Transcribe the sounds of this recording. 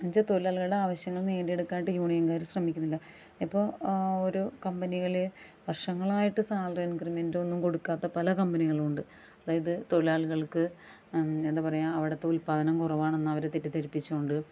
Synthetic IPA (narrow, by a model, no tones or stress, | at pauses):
ɐnd͡ʑɐt̪o̞laːɭɣɐɭɨɽe̞aːʋɐɕjɐŋːɐɭneːɳɖije̞ɽukːaːniʈːɨjuːɳijɐmkaːɾuɕrɐmikʲːunːilːɐ | ipːo̞ːoɾukɐmbɐniɣɐɭ | ʋɐrʂɐŋːɐɭaːjiʈːɨsaːlrɐɐnkrimendo̞nːumko̞ɽukːaːt̪ːɐpɐlɐkɐmbɐniɣɐɭuɳɖɨ | ɐðaːjɐðɨt̪o̞ɻilaːɭɣɐɭkɨ | end̪aːpɐrɐjːaɐʋiɽɐt̪ːeulpaːðʰɐnɐmkurɐʋaːɳenːɐʋɐɾet̪ːitːɨt̪ɐɾipːit͡ɕːuuɳɖɨ